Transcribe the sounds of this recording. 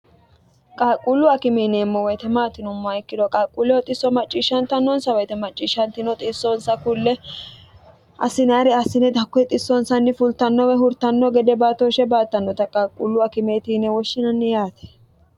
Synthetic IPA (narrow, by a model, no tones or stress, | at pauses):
kʼaːkʼːulːʊɐkɪmeːneːmːɔwɔjt̪ɛmaːt̪ːɪnʊmːaɪkːɪd̪ɔkʼaːkʼːulːɛwɔt̪ʼɪsːɔmɐt͡ʃʼːiːʃɐnt̪ɐnːɔnsɐwɛjt̪ɛmɐt͡ʃʼːiːʃɐnt̪ɪnɔt̪ʼɪsːɔnsɐkʊlːɛ | ʔɐ̰sɪnaːɾɛɐsɪnɛd̪ɐkːɔt̪ʼɪsːɔnsɐnːɪfʊlt̪ɐnːɔwɛɦʊɾt̪ɐnːɔɡɛd̪ɛbaːt̪oʃɛbaːt̪ːɐnːɔt̪ɐkʼaːkʼːulːʊɐkɪmeːt̪iːnɛwɔʃːɪnɐnːɪjaːt̪ɛ̥